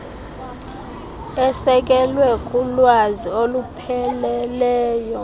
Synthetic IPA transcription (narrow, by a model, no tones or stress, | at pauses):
ɛsɛk̬ʼɛlwɛkʼulwaziolupʰɛlɛlɛːjɔ